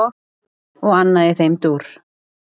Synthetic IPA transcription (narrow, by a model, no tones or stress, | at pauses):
ɔɣanːajɪθejmt̪uːɾ̥